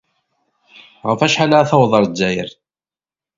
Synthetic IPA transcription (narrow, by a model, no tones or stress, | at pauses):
ʁəfæʃħalaθɑwðˤəɾˤd͡zːæjəɾ